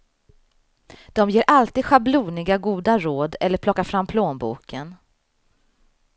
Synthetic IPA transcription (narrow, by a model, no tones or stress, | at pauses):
d̪̥ɔmjeːɾʔalt̪iːd̪ɧabluːnɪɡaɡuːd̪aɾoːd̪ɛlːəɾpʰlɔkːafɾamːpʰloːnbṵːkʰən